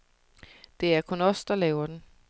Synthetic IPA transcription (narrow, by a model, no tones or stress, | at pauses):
d̥e̝æɐkʰɔ̽nɒ̽sd̥ɑ̈lɛːʊɐd̥en